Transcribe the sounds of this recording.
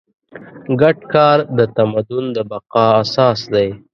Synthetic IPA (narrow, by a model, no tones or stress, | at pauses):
ɡaʈkɑːɾd̪ət̪amad̪ʊnd̪əbaqɑasɑːsd̪aj